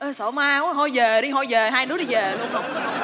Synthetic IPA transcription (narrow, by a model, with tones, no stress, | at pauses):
ʔəː˨˧˩so˧˩maː˧wɦɔ˧jvə˨˩ɗi˧ɦɔ˧jvə˨˩ɦaː˧jnɨ˨˦˥əɗi˧vəː˨˩lu˧əno˨˩ŋ͡m̚ə˨˧˦